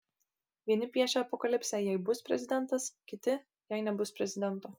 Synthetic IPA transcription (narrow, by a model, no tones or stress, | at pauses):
ʋʲiɛnʲɪpʲiɛʃʲɛɐpɔkɐlʲɪpʲsʲɛjɛɪbʊspʲɾʲɛ̰zʲɪd̪ʲɛnˑt̪ɐskʲɪt̪ʲɪ | jɛɪnʲɛbʊspʲɾʲɛzʲɪd̪ʲɛnˑt̪o